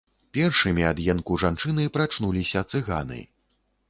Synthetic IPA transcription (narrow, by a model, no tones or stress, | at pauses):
pʲɛrʂɨmʲiad̪jɛnkuʐant͡ʂɨnɨpɾat͡ʂnulʲisʲɐt̪sɨɣa̰nɨ̰